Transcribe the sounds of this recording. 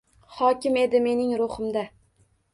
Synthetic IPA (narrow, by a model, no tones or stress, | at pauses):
hɒkʲɪme̞d̪ɪme̞nɪŋɾʊχɨmd̪a